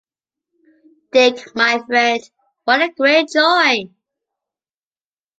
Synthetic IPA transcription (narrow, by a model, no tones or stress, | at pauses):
d̥ɪkmaɪfɹɛ̃nd | wʌɾəɡɹeɪt̚d͡ʒɔɪ